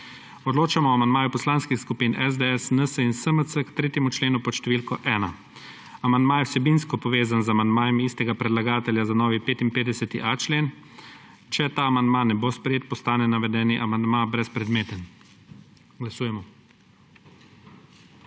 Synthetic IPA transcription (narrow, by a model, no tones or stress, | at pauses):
ɔd̪loːt͡ʃamɔːamand̪maːjupɔslaːnskixskupiːnɛzd̪eɛsnəsəinsəməsəkt̪ɾeːt̪jɛmut͡ʃleːnupɔʃt̪ɛʋiːlkɔʔɛːna | amand̪maːjɛwsɛbinskɔpɔʋeːzanzamand̪maːjɛmiːst̪ɛɡapɾɛd̪laɡaːt̪ɛljazanɔːʋipeːt̪inpeːd̪ɛsɛt̪iʔat͡ʃleːn | t͡ʃɛt̪aːmand̪maːnɛbospɾɛjeːt̪̚pɔst̪aːnɛnaʋɛd̪ɛːniʔamand̪mabɾɛspɾɛd̪meːt̪ən | ɡlasuːjɛmɔ